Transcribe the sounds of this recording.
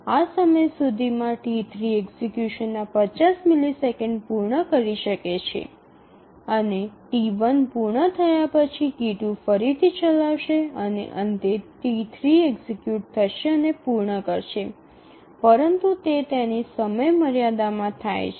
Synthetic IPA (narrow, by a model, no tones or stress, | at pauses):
asəməjsud̪ʱimãʈit̪ʰɾieɡzekjuʃənːapət͡ʃasmilisekəɳɖpuɾɳəkəɾiʃəket͡ʃʰḛ | əneʈiʋənpuɾɳət̪ʰəjapət͡ʃʰikiʈũfəɾit̪ʰit͡ʃəlaʋʃeənḛʔənd̪eʈit̪ʰɾieɡsekjuʈ̚t̪ʰəʃeənepuɾɳəkəɾʃe | pəɾənt̪ut̪et̪enisəməjməɾjad̪amãt̪ʰajt͡ʃʰ